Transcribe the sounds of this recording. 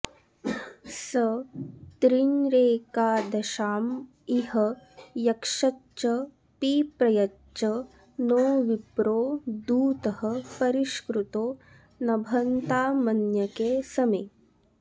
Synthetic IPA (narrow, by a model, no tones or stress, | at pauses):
sɐt̪ɾiŋɾeːkaːd̪ɐʃaːm | iɦɐjɐkʂɐt͡ʃːɐ | piːpɾɐjɐ | t͡ʃɐ | noːʋipɾoːd̪uːt̪ɐhɐ̆pɐɾiʃkɾut̪oː | nɐbʱɐnt̪aːmɐnjɐkeːsɐmɐː